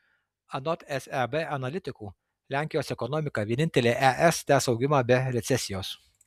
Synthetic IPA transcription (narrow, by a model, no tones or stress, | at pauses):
ɐnɔt̪ɛsɛbɛɐnɐlʲɪt̪ʲɪkuː | lʲæˑŋʲkʲɪjoːsɛkɔnɔmʲɪkɑʋʲiɛnʲɪnʲt̪ʲɛlʲeːʔæʔɛst̪ʲæːsɒʊɡʲɪmɑːbʲɛɾʲɛt̪sʲɛsʲɪjoːs